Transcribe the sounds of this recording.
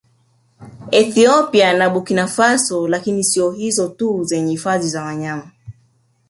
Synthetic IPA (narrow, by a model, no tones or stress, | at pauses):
ɛθiɔpianaɓukinafasɔlakinisiɔhizɔtuzɛɲɛhifaðizawaɲama